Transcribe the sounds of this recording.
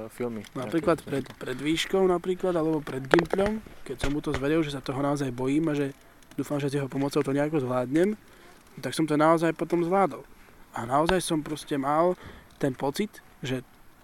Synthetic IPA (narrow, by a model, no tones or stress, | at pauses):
finapɾiːklat̪pɾɛt̪pɾɛd̪ʋiːʃkɔʊnapɾiːklad̪alɛbɔpɾɛd̪ɡimpʎɔmkɛcsamːut̪ɔzʋɛɾilʒɛsat̪ɔɦɔnaɔzajbɔjiːmaʒɛ | d̪uːfamʒɛzjɛɦɔpɔmɔt͡sɔʊt̪ɔɲɛakɔzʋlaːd̪ɲɛm | t̪aksɔmt̪ɔnaɔzajpɔt̪ɔmzʋlaːd̪ɔlanaɔzajsɔmpɾɔscɛmalt̪ɛnpɔt͡sit̪ | ʒɛ